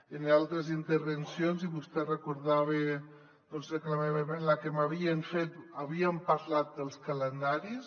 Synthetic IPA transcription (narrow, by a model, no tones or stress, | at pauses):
enalˠt̪ɾəzint̪əɾβənsjonziβust̪ɛrəkuɾðaβe | d̪̥ɔnzɾəklameβemenlakemaβiəɱfet̪aβiəmpaɾlat̪̚d̪əlˠskələnd̪aɾis